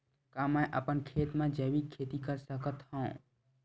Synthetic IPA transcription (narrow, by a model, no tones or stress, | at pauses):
kaməjʔə̰pənkʰet̪mẽd͡ʒəbikʰːet̪ikəɾsəkət̪hə̃ũ